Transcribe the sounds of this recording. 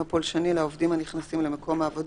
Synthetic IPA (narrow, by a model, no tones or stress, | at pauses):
apolʃanilaovdimaniχnasimlemekʰo̞maːvod